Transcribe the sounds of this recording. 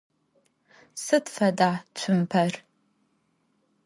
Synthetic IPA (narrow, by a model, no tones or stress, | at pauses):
sɨtfɐdaːt͡ʃʷʰʊmpʰɐr